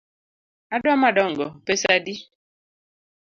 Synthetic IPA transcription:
adɔamadɔŋɡɔpesadi

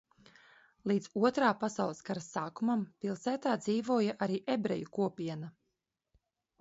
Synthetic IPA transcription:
lˠiːd̪zuɔt̪ɾaːpasawlˠəskaɾasːaːkumampilˠsæːt̪aːd̪ziːvuɔjaʔaɾiːʔebɾɛ̰jukuɔpʲiɛna

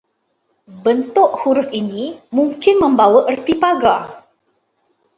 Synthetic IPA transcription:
bənt̪ʊʔhuɾʊfinimuŋkɪnmə̃mbawəʔərt̪ipaɡa

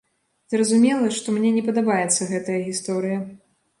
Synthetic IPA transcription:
zɾɐzumʲɛlˠɐʂt̪ɔmnʲɛnʲɛpɐd̪abajɛt̪sːɐɣɛt̪ɐjɐɣʲist̪ɔɾɨjɐ

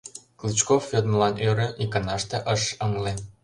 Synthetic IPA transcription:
klit͡ɕkofːøt̪məlɑnøɾĕʔikɑnɑʃt̪eʔəʃɤŋle

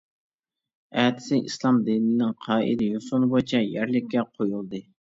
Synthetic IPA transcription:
ɛːt̪ɪ̥sɪʔḭslˠɑmd̪inɪnɪŋqʰɑːʔḭlɪjosonɨbot͡ʃʰɛjæɾlɪkʲːɛqʰojulˠd̪ɨ

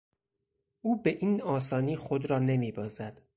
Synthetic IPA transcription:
ʔuːbe̞ʔiːnɒːsɒːniːxod̪ɾɒːne̞miːbɒːzæd̪̥

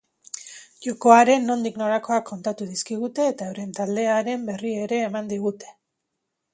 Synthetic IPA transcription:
ʝo̞ko̞aɾe̞nːo̞nd̪ikno̞ɾako̞akʰːo̞nt̪at̪uðiskiɣ̞ut̪e̞ːt̪aoɾe̞nt̪ald̪e̞aɾe̞mbe̞rieɾe̞ːmand̪iɣ̞ut̪e̞̥

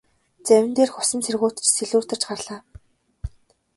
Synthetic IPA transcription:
t͡sæwʲɪ̆nt̪eːrxʊ̥sə̆nt͡sʰerɣuːt̪̆t͡ɕseɮuːr̥t̪ə̆t͡ɕɢarɮaː

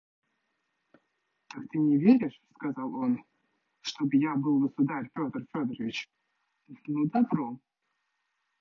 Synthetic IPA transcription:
t̪akt̪ɨnʲɪvʲeɾʲɪʂskɐzɑlˠo̞n | ʂt̪obɨjabɨlˠɡəsʊd̪aɾʲfʲo̞t̪ərfʲod̪ɾəvʲɪt͡ɕ | nud̪ɐbɾo

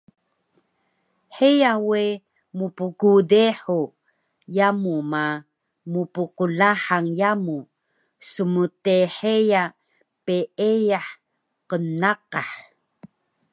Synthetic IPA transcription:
ħejawe | mupukudeħu | jamuma | mupuqulaħaŋjamu | səmuteħeja | peejaħ | qənaqaħ

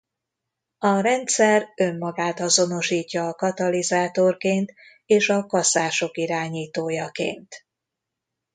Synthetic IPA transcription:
ɒɾɛnt̪sɛrø̞mːɒɡaːt̪ɒzo̞no̞ʃiːcːɒːkɒt̪ɒlizaːt̪o̞rkeːnt̪ | eːʃɒkɒsaːʃo̞kiɾaːɲiːt̪oːjɒkḛːnt̪

